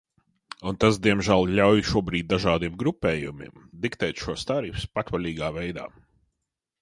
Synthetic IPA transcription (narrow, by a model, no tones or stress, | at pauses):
unt̪asd̪iɛmʒælˠlʲawjʃuɔbɾiːd̪̚ʲd̪aʒaːd̪imɡɾupɛːjumḭmd̪ikt̪ɛjt̪ʃuɔst̪aɾifspat̪valʲiːɡaːvɛjd̪a̰ː